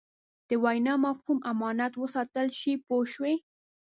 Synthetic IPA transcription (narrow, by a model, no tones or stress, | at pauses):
d̪̥əwajnɑmafhumʔamɑnat̪wəsɑt̪əlʃipoʃwe